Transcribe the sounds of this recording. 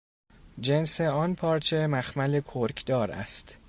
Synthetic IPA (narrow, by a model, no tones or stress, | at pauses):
d͡ʒenseɒːnpʰɒːɾt͡ʃʰemæxmælekʰoɾkʰd̪ɒːɾæ̰st̪